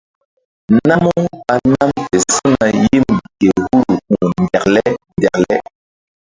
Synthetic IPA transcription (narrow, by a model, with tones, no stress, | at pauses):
na˦mu˦a˨na˦mte˨su˦na˨ji˦mɡe˨hu˦ɾu˨k͡pu˨ndɛ˨klɛ˦ndɛ˨klɛ˦